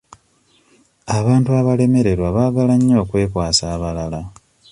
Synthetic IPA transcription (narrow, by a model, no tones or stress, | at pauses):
aβaːntuaβale̞me̞ɾe̞ɾwaβaːɡalaɲːo̞ːkwe̞ːkwaːsaːβalala